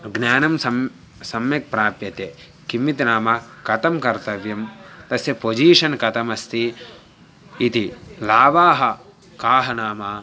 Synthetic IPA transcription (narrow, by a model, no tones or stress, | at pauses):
ɡnjaːnɐmsɐ | sɐmjɐk̚pɾaːpjɐt̪e | kimːit̪naːmɐkɐt̪ɐmkɐɾt̪ɐʋjɐmt̪ɐsjɐpod͡ʒiːʂɐnkɐt̪ɐmɐst̪i | t̪ilaːʋaːɦɐ | kaːɦɐnaːmɐ